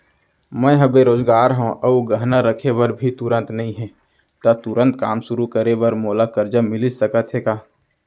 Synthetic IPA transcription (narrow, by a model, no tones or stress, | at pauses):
mɛ̃ɦəbeɾoːzɡaːɾɦõʔəuɡəɦnaɾəkʰeʋəɾbʱit̪ʊɾə̃nt̪nɐɦĩɦɛ̃ | t̪at̪ʊɾə̃nt̪ka̰ːmsʊɾukəɾeʋəɾmoːlakəɾd͡ʒəmɪlɪsəkət̪ɦekaː